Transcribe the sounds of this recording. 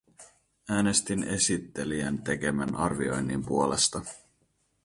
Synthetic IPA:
æːne̞st̪ine̞sit̪ːe̞liænt̪e̞k̟e̞mænʔɑrʋio̞̰jnːimpuo̞le̞̰st̪ɑ

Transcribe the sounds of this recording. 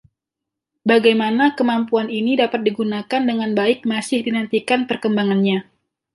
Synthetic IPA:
baɡajmanakəmampuaninidapat̪̚diɡunakandəŋanbaɪk̚masɪhdinant̪ikanpərkəmbaŋanɲa

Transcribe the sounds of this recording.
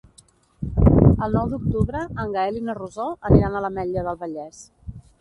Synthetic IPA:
əlˠnɔwd̪uk̚t̪uβɾəːŋɡəelinəruzoəniɾanələmɛʎəðəlˠβəʎɛs

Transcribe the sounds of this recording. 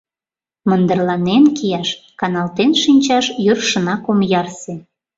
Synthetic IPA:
mənd̪ə̆rlɑnenkijɑʃkɑnɑlt̪enʃinʲt͡ɕɑʃjørʃə̆nɑkomjɑrse

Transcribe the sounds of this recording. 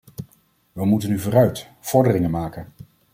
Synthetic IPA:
ʋəmutənyvʊːrœɥt | fɔɹdərɪŋənmaːkən

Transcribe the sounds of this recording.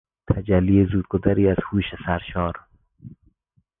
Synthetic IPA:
t̪ʰad͡ʒælːiezuːd̪̚ɡod̪æɾiːaz̥huːʃesæɾʃɒːɾ

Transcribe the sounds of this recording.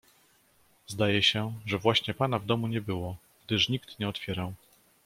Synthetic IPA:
zd̪ajɛɕɛʐɛvwaɕɲɛpan̪avd̪ɔmuɲɛbɘwɔ | ɡd̪ɘʂɲikt̪ɲɛɔt̪fʲjɛɾaw

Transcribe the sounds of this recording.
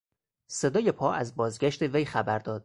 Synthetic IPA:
se̞d̪ɒːje̞pʰɒːʔæzbɒːzɡʲæʃt̪ʰe̞vejxæbæɾd̪ɒːd̪̥̚

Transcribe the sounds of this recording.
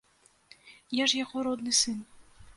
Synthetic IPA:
jaʐjaɣɔɾɔd̪nɨsɨn

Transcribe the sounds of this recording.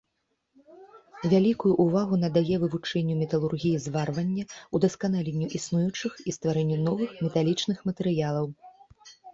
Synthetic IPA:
vʲalʲikujuʔːvaɣun̪ɐd̪ajɛvɨvut͡ʂɛnʲːumʲɛt̪ɐlˠurɣʲijizvarvɐnʲːɐud̪ɐskanalʲenʲːuʔisnujut͡ʂɨxist̪vaɾɛnʲːunɔvɨxmʲɛt̪alʲit͡ʂnɨxmɐt̪ɛɾɨjalˠɐw

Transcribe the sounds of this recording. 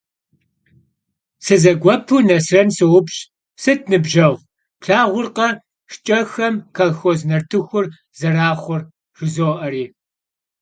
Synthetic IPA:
sɨzɐɡʷɔpʰunɐsrɐnsɨwʊpɕ | sɨt̚ʰnɨbʒɐʁ | pɬaːʁʷʊrqɐ | ʂt͡ʃʼɐxɐmkʰɐlxoznɐrtʰɨxʷʊr | zɐraːχʷʊr | ʂɨzoːʔɐriː

